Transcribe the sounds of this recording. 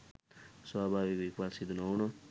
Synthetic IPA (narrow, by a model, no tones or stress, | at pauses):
swabʱaβikikwalsid̪unawnʌ